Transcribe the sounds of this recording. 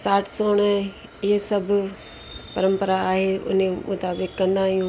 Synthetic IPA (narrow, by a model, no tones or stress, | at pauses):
saːʈʰsoːnɛ̃ | ɪsəb | pəɾə̃mpəɾaaːɦeʊ̰nẽmʊt̪aːbɪkːə̃nd̪ãːjũː